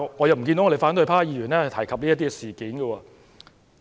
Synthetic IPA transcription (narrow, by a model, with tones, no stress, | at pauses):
ŋɔː˨˧jɐ˨wm̩˨˩ki˧nt̪o˦˥ŋː˧e˨˩faː˨˥nt̪ɵ˧ɥpʰaː˥jiː˨˧ɥyː˨˩nɛː˥hɐ˨jt̪ʰjkʰɐ˨p̪̚iː˥ɐ˥t̪̬ːi˥ɛ˧siː˨kiː˨˥nɡə˧wɔː˧